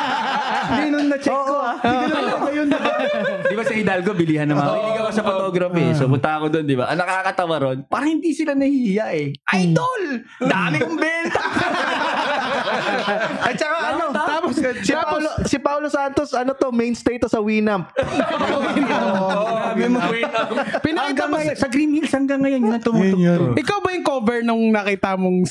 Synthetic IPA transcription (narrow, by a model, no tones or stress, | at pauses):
linʊnːɐt͡ʃoːʔkːo | ɐɐjonbd̪ɪbasɐɪd̪ɐlkobɪliːhɐnɐmɐiɡɐwasɐfot̪oɡɾɐfɛsopʊnt̪ɐɐkod̪ond̪ɪba̰ʔɐŋnɐkaːkɐt̪ɐwɐɾonpaːɾɐhɪnd̪iːsɪlanɐhiijɐʔɛʔajd̪ol | d̪amɪkʊmbɛnt̪ɐ | ɐt͡ʃɐkaɐnot̪ːt̪aːposɐsɪalosɪpawlosant̪osʔɐnot̪omejnst̪ejt̪osɐwiːnɐmpsɐwinɐoaːɪmow̪pɪnɐkiɡ̪aŋjonsɐɡɾimhilshɐŋɡɐŋːɐjonjʊnɐt̪ʊmuʔɪkawbɐjʊŋkoːvɛɹnʊŋnɐkit̪ɐmoŋ